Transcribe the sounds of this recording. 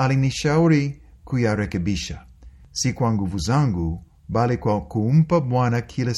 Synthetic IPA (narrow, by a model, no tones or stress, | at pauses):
aliniʃauɾikujaɾɛkɛbiʃasikwaŋɡuvuzaŋɡu | balikwakum̩pabwanakʰilɛ